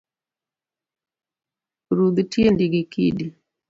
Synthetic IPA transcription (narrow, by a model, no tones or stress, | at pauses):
ɾud̪tiendiɡikḭdi